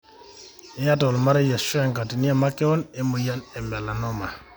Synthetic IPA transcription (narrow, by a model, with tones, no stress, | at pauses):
e˦ja˦tɔ˨lma˦ɾe˦ja˨ʃwa˨ŋka˨ti˨ni˦a˨ma˦kɛ˦ɔ˦ne˦mu˨ja˦nɛ˨mbɛ˨la˨nɔ˦ma˨